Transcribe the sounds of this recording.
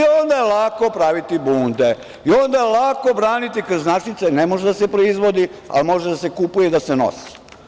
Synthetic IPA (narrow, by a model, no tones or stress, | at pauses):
o̞nd̪ajelakopɾaʋit̪ibuːnd̪e | io̞nd̪ajelako̞bɾaːnit̪ikoznat͡ʃit̪senemo̞ʒed̪asepɾoizʋo̞d̪ia̰lmo̞ʒed̪ase̞kupujed̪ase̞no̰si̥